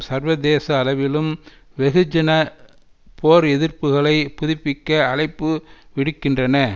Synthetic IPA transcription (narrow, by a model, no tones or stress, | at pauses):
sɐɾʋɐðeːsɐːlɐʋɪlɯm | ʋɛɣɯd͡ʒɐnɐ | pʰoːɾɛðɪrpɯɣɐɭɐɪpʊðɪpːɪkːɐɐɭɐɪpːɯʋɪɽɯkːɪndrɐnɐ